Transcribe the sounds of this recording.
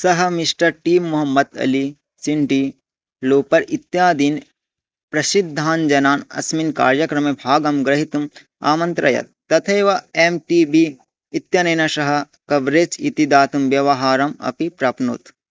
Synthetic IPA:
sɐɦɐ̆miʂʈɐɾʈiːmːuɦɐmːɐd̪ɐ̰li | t͡ʃiɳʈi | loːpɐɾit̪jaːd̪in | pɾɐʃid̪ʱːaːnd͡ʒɐnaːnɐ̰sminka̰ːɾjɐkɾɐmebʱaːɡɐmɡɾɐɦit̪um | a̰ːmɐnt̪ɾɐ̰jɐ̰t̪̚ːɐt̪ʰɐeːʋɐemʈiːbiː | t̪jɐnɐːnɐʃɐɦɐ̆ | kɐbɾeːt͡ʃḭt̪id̪aːt̪umʋjɐʋɐɦaːɾɐmɐ̰pipɾɐpnṵt̪

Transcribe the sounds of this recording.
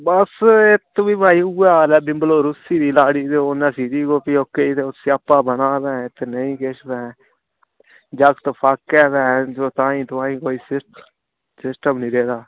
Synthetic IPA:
bəsɪt̪biːbʱaːiːuːaːlɛːbɪ̃mbloːɾʊsiːd̪iːlaːɽiːd̪eʊnãːsiːd̪iːkoːpioːkːeːit̪eːʊsiapːaːbənaːd̪ɛ̃ːt̪ːnəĩːkeʃbɛ̃ː | d͡ʒəɡt̪opʰaːkːɛːd̪ɛ̃ːd͡ʒoːt̪ãːĩːt̪ʊãːĩːkoːiːsɪ | sɪsʈəmnĩːɾeːd̪aː

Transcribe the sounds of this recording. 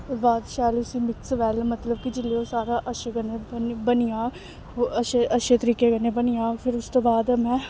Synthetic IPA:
baːd̪ʃɛːlʊsĩːmɪksʋɛːlmət̪ləbkid͡ʒɪlːeːoːsaːɾaːʔəʃeːɡəneːnbəniaː | əʃeʔəʃeːt̪əɾiːkeːkəneːbənijaːpʰɪɾʊst̪oːbaːd̪mɛ̃ː

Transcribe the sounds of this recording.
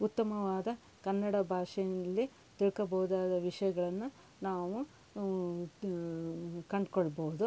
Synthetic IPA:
ut̪ːɐmɐʋaːd̪ɐ | kɐnːɐɽɐbʱaːʂɛjnɐlːi | t̪iɭkɐbɐʋud̪aːd̪ɐʋiʂɐjɐɡɐɭɐnːu | naːʋu | kɐɳɖkoɭbɐɦud̪u

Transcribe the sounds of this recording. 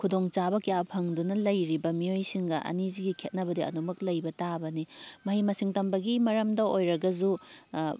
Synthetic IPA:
kʰudoŋt͡ʃabɐkijapʰɐŋdunɐlɐjɾibɐmiojsiŋɡɐʔɐ̰niziɡikʰet̚nɐbɐdiɐ̰numɐklɐjbɐtabɐnimɐɦimɐsiŋtɐmbɐɡimɐɾɐmdɐojɾɐɡɐzu

